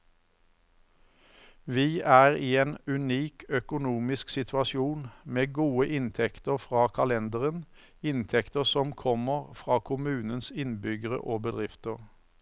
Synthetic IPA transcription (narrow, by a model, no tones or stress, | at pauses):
ʋiːʔæːʁiːeːnʉniːkœkʊnuːmɪsksɪt̪ʰʋɑsɪuːnmeːɡuːəʔɪnt̪ʰɛkt̪əʁfʁɑːkʰɑlɛnd̪əʁən | ɪnt̪ʰɛkt̪əʁsɔmkʰɔməʁfʁɑːkʰʊmʉːnənsɪnbʏɡəʁə̰ʔoːbəd̪ʁɪft̪əʁ